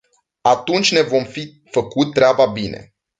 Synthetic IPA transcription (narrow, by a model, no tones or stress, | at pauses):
at̪unt͡ʃʲne̞vo̞mfi | fəkut̪̚t̪ːɾeababine̞̰